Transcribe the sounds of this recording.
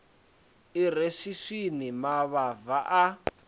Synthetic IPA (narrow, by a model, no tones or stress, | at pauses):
iɾeʃiʂinimaβavaʔa